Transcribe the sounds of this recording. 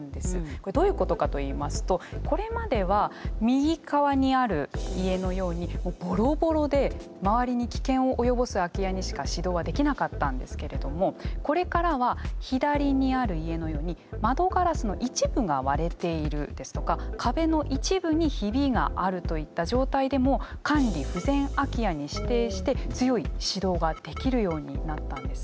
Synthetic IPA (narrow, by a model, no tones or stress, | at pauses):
nd̪esɨko̞ɾed̪o̞ːjɯ̟ːko̞t̪o̞kat̪o̞iːmasɨ̥t̪o̞ko̞ɾe̞mad̪e̞βamʲiɡʲikaβaɲ̟iaɾɯ̟ie̞no̞jo̞ːɲ̟imo̞ːbo̞ɾo̞bo̞ɾo̞d̪e̞ | maβaɾʲiɲ̟ikʲi̥kẽ̞ɰ̃o̞ʔːjo̞bo̞sɨakʲijaɲ̟iɕi̥kaɕid̪o̞ːβad̪e̞kʲinakat̪ːãnd̪e̞sɨ̥ke̞ɾe̞d̪o̞mo̞ko̞ɾe̞kaɾaβ̞açid̪aɾʲiɲ̟iaɾɯ̟ie̞no̞jo̞ːɲ̟imad̪o̞ɡaɾasɨno̞̰ʔit͡ɕibɯ̟ɡaβaɾe̞t̪e̞iɾɯ̟d̪̥e̞sɨ̥t̪o̞kakʰabe̞no̞ʔit͡ɕibɯ̟ɲ̟içibʲiɡa̰ʔaɾɯ̟t̪o̞it̪ːaʑo̞ːt̪aid̪e̞mokãnɾʲiɸɯ̟zẽ̞ɰ̃akʲijaɲ̟iɕi̥t̪e̞ːɕi̥t̪e̞t͡sɨjo̞iɕid̪o̞ːɡad̪̥e̞kʲiɾɯ̟jo̞ːɲ̟ḭnat̪ːãnd̪e̞sɨ̥